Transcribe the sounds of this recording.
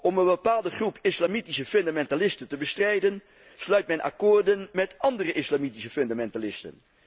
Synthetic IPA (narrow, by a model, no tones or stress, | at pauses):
ɔmənbəpaːlˠdəχrupʰɪslamitisəføndamɛntalɪstəntəbəstrɛjdən | slœɥt̚mɛnʔa̰kʊːɹdənmɛtʔɑndərəʔɪslamitisəfɵndamɛntalɪstə̰n